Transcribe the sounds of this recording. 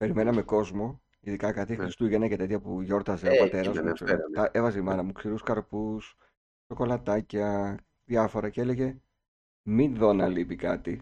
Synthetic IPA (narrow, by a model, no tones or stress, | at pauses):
pe̞ɾime̞nɐme̞ko̞zmo̞ | iðikɐkɐt̪ixɾist̪uʝenɐcet̪e̞t̪çɐpuʝo̞ɾt̪ɐzeopɐt̪e̞ɾɐzseɐʔevɐzeimɐnɐmuksiɾuskɐɾpus | so̞ko̞lɐt̪ɐcɐ | ðjɐfo̞ɾɐce̞le̞ʝe̞ | minðo̞nɐlipikɐt̪i